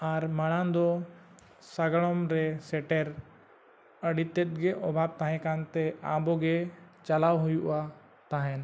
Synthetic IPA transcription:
aɾmaɽ̃ad̪ɔ | saɡɭɔmɾɛsɛʈɛɾ | əɽit̪ːɛt̪̚ˀɡɛʔɔbʱab̚t̪aɦɛ̃kant̪ɛabɔɡɛt͡ʃalawɦujuʔa | t̪aɦɛn

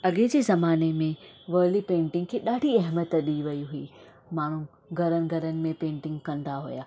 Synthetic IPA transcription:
ɐɠɪd͡ʑeːzɐmaːnemẽʋɐːlipẽːɳʈɪ̃ŋɡkʰeːɗaːɖʱiɐɦmət̪ɗiʋɐiɦʊiː | maːɳ̤ũ | ɡʱɐɾənɪ̆ɡʱɐɾənɪ̆mẽpẽːɳʈɪ̃ŋɡkɐ̃nd̪aɦʊ̰jaː

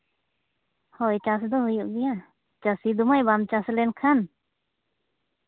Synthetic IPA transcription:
hɔjt͡ʃas̬d̪ɔɦujuʔɡija | t͡ʃasid̪umajbamt͡ʃaslɛnkʰan

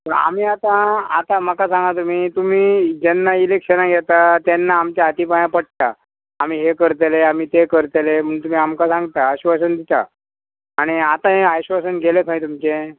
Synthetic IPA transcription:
t̪əɾa̰m̤iːat̪ãat̪aməkasãŋɡat̪̬um̤iːt̪um̤iːd͡ʑɛnːailekɕənaɡʱjɛt̪at̪jɛnːaːmt͡ɕaːt̪ipajãpəɽ̚t̪aː | m̤iːɦekəɾt̪eleam̤iːt̪ekəɾt̪elem̤əɳt̪um̤iːamkasãŋɡt̪aaɕʋas̬ənd̪it̪a̰ː | ɽ̃iat̪aɦeajɕʋasənɡʱelekʰãĩt̪̬umt͡ɕe

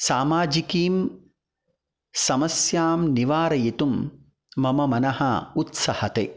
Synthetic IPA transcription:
saːmaːd͡ʒikiːm | sɐmɐsjaːmniʋaːɾɐjit̪umː | ɐmɐmɐnɐhɐut̪sɐhɐt̪eː

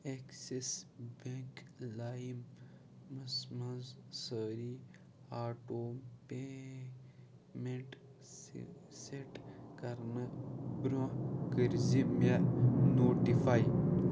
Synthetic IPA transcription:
eksesbeŋklaːjimː | ɐsmɐzsəɾi | aːʈoːmpe | meɳʈ | seʈkɐɾnɐbɾõkəɾzimenoːʈifaj

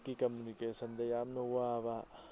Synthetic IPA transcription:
kikɐmjunikeːʃənd̪ejaːmnowaʋa

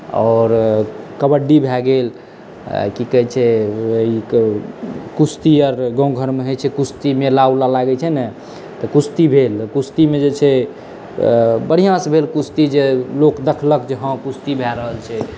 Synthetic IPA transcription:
ɔ̰ɾkəbəɖːibʱɛɡel | kikəɛt͡ʃʰɛei | kust̪iəɾɡə̃w̃ɡʱəɾmeɦət͡ʃʰɛkust̪imelaulalaɡɛt͡ʃʰɛnɛ | t̪ɔkust̪ibʱelkust̪imed͡ʒet͡ʃʰɛ | bəɽ̤ijãsbʱelkust̪id͡ʒelokd̪əkʰləkd͡ʒeɦə̃kust̪ibʱɛɾəɦəlt͡ʃʰɛ

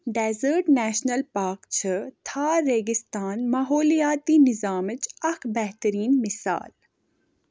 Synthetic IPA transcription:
ɖɛːzəɾʈnɛːʃnəlpaːɾkt͡ʃʰət̪ʰaːɾeːɡɪst̪aːnmaɦoːlijaːt̪inɪzaːmət͡ʃɐxbɛɦt̪əɾiːnmɪsa̰ːl

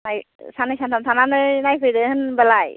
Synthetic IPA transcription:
najsanɯjsantʰamsʰananɯnajpʰɯjdɯhɯnbalaj

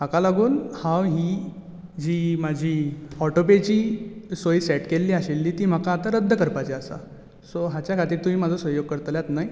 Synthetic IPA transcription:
makalaɡuːnhãwɦiː | d͡ʑiːmad͡ʑʱiːɔʈopet͡ɕiːsojsɛʈkelːiːaɕelːiːt̪iːm̤əkaːt̪aɾəd̪ʱːəkəɾpat͡ɕeasa̰ | soɦat͡ɕjakʰat̪iːɾt̪um̤iːmad͡zʱɔsʋəjoɡ̚kəɾt̪ljat̪naɦj

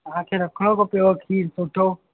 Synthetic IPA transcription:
ãːkʰeːɾɐkʰɽ̃oːkoːpijokʰiːɾsoːʈʰoː

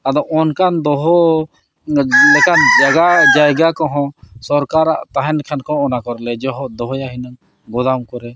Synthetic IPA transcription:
ad̪ɔʔɔnkʰand̪ɔɦɔ | lɛkand͡ʒaɡad͡ʒajɡakɔɦɔ̃sɔɾkaɾaʔt̪aɦɛnkʰɛnkɔ̃ɔnakɔɾlɛd͡ʒɔɦɔd̪ɔɦɔjaɦinaŋ | ɡɔd̪amkɔɾɛ

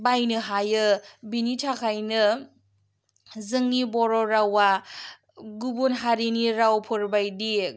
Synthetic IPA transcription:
bajnɯɦajɯbinitʰakʰajnɯ | zɯŋnibɔɾɔɾawa | ɡubunɦaɾiniɾawpʰɔɾbajdi

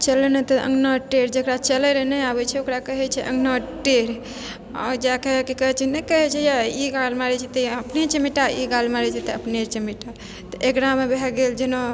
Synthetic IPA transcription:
t͡ʃəlɛnɛt̪ɔʔə̰ŋɡnɔʈeɾd͡ʒəkɾat͡ʃəlɛɾɛnɛabɛt͡ʃʰɛokɾakəɦɛt͡ʃʰɛʔəŋɡnɔʈeɾ | a̰ɾd͡ʒakekikəɦɛt͡ʃʰɛnɛkəɦɛt͡ʃʰɛjaiɡalmaɾɛt͡ʃʰɛt̪əəpnet͡ʃəmiʈaiɡalmaɾɛt͡ʃʰɛt̪ɔəpnet͡ʃəmiʈa | t̪ɔʔekɾamebeɦɛɡeld͡ʒeno

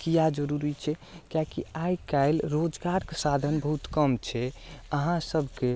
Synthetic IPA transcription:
kijad͡ʒəɾuɾit͡ʃʰɛkjakiajkajlɾod͡ʒɡaɾkesad̪ʱənbəɦut̪kəmt͡ʃʰɛəɦãsəbʱke

